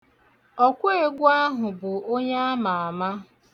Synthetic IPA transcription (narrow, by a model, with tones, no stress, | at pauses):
ɔ˦kʷʊ˦e˨ɡʷʊ˦a˦ɦʊ˨bʊ˨o˦ɲe˦a˦ma˨a˨ma˦